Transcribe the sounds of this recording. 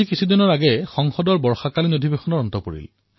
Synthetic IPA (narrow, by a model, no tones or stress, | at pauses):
ikisʰudiɔnɔɹaɡɛxɔŋxɔdɔɹbɔɹxakalinodʱibexɔnɔɹɔntɔpoɹḭl